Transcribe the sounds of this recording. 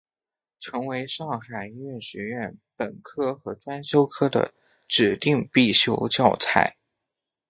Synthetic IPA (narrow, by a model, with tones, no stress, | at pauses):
ʈ͡ʂʰɤ˧˥ŋwe˧˥ɪʂɑ˥˩ŋxa˨˩ɪi˧˥ɥɛ˥˩nɕɥɛ˧˥ɥɛ˥˩npə˨˩nkʰɤ˥xɤ˧˥ʈ͡ʂwa˥nɕjo˥ʊkʰɤ˥d̪ə̰˨ | ʈ͡ʂɻ̩˨˩t̪i˥˧ŋpi˥˩ɕjo̰˥ʊt͡ɕjɑ˥˧˩ʊt͡sʰa̰˥˩ɪ